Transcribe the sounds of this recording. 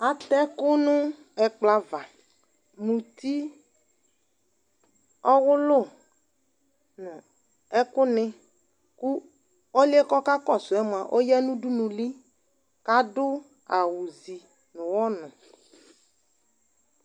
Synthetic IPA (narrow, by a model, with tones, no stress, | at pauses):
a˨t̪ɛ˦kʊ˦nʊ̃˦ | ɛ˨k͡pla˦va˨ | mũ˨t̪i˦ | ɔ˦wʊ˦lʊ˦˨ | nʊ̃˨ | ɛ˦kʊ˦nɪ̃˦ | ku˦ | o˦lɪ˦ɛ˦kɔ˦ka˦kɔ˦˨sʊ˨ɛ˨˦mʊ˨a˨ʔo˦jɛ˦nũ˦du˦nũ˨li˦ | ka˦dʊ˦ | a˨wu˨zi˨ | nʊ̃˨wɔ˦nʊ̃˨